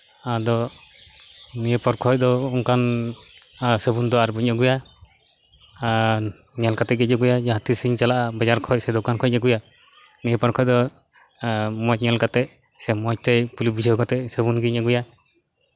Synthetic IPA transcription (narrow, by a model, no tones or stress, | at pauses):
ad̪ɔ | nijəpɔɾkʰɔjd̪ɔɔŋkan | səbund̪ɔaɾbuɲəɡuja | ɲɛlkat̪ɛɡɛɲəɡujad͡ʒaɦat̪isiɲt͡ʃalaʔabad͡ʒaɾkʰɔj̚sɛd̪ɔkankʰɔj̚ɲəɡuja | nijəpɔɾkʰɔjd̪ɔ | mɔj̚ɲɛlkat̪ɛʔ | sɛmɔjc̚t̪ejpulibid͡ʒɔwkat̪ɛsəbunɡiɲəɡuja